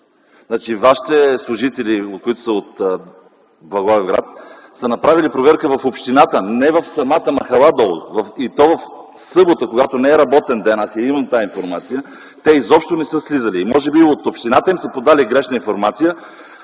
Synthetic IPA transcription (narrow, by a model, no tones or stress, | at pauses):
znat͡ʃivaʃi̥t̪ɛslˠʊʒit̪ɛliot̪koit̪ʊ̥səot̪ | blˠɐɡɔvɛvɡɾa̰t̪̚ | sənɐpɾavilipɾovɛɾkəvɐfopʃt̪inat̪ənɛvɐfsɐmat̪əmɐxɐlˠad̪ɔlˠvɐfit̪ɔvəf | sɤbot̪əkoɡat̪onɛɛɾɐbɔt̪ɛnd̪ɛnasjɛiməmt̪ainfoɾmat̪sijə | t̪ɛizɔpʃt̪onɛsɤslizəliːmɔʒɛbiot̪opʃt̪inat̪əimsəpod̪aliɡɾɛʃnəinfoɾmat̪sijə